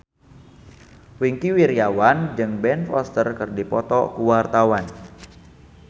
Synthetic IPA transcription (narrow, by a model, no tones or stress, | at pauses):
wiŋkiwiɾjawand͡ʒɨŋbɛnfɔst̪ərkɨrdipɔt̪ɔ̰kuwart̪awan